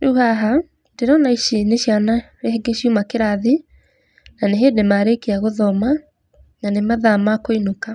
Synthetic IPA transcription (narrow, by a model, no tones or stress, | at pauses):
nuuhaɦa | ndeɾɔnaiʃineɕjana | ɾeeɡeɕiumakeɾaði | naneɦedemaɾekeaɣoðɔma | nanemaðamakoinoka